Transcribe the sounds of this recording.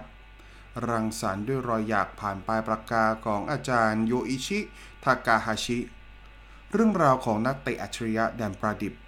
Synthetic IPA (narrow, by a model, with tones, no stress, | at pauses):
ɾa˧ŋsaː˩˦ndu˥˩əjɾɔː˧jːaː˨˩k̚pʰaː˨˩npaː˧jpɾa˧kaː˧kʰɔː˩˦ŋʔaː˧t͡ɕaː˧njoː˧ʔiː˧t͡ɕʰi˦˥ | t̪ʰaː˧kaː˧haː˧t͡ɕʰi˦˥ | ɾɯ˥˩əŋɾaː˧wkʰɔː˩˦ŋna˦˥k̚t̪e˨˩ʔa˨˩t͡ɕʰa˧ɾi˦ja˦˥dɛː˧npɾaː˧di˨˩p̚